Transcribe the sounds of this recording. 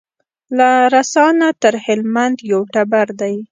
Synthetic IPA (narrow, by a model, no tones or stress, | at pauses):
laɾasɑnat̪əɾhɪlmand̪jawʈabaɾd̪aj